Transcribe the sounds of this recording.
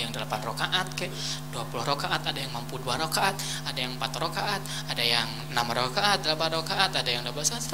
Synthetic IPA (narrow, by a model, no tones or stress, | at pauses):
jaŋdəlapanrokaʔat̪̚kaʔduapulʊhɾokaʔat̪adajaŋmampuduaɾokaʔat̪ | adajaŋmpat̪rokaʔat̪̚ | adajaŋ | namrokaat̪̚dəlapanrokaʔat̪adajaŋdabuasaa